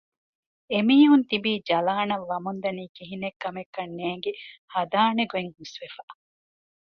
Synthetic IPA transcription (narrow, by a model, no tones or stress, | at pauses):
emiːɦunt̪ibiːd͡ʒɐlaːnɐʋːɐmund̪ɐniːkiɦinekːɐmekːɐnːeːŋɡehɐd̪aːneɡueŋhusʋefa